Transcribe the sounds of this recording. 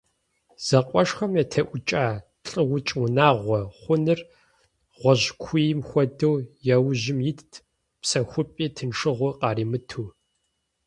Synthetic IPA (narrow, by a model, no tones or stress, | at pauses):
z̥ɐqʷʼɔʂxɐmjɛtʰɐʔʷʊt͡ʃʼaː | ɬʼɨwʊt͡ʃʼwnaːʁʷɔχʷʊnɨr | ʁʷɔʑkʷʰʊjɪmxʷɔdɐwjɛwʑɪmjɪtʰ | psɐxʷʊpʼiːtʰɨnʂɨʁʷʊqɑːɾiːmɨtʰuː